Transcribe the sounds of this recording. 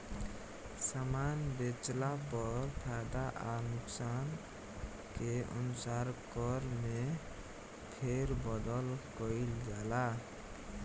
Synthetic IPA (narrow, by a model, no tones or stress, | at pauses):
samanbet͡ʃlapəɾpʰad̪aʔanuksan | keə̰nusaɾkʌɾme | pʰeɾbəd̪əlkəild͡ʒala